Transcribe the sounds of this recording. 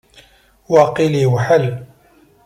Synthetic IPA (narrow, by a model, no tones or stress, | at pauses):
wɑqiliwħal